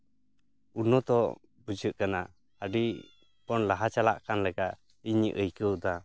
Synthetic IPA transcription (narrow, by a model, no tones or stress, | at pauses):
unɔt̪ɔ | bud͡ʒəʔkana | əɖi | pɔnlaɦat͡ʃalaʔkanlɛɡaʔ | iɲəʔəjkəwd̪a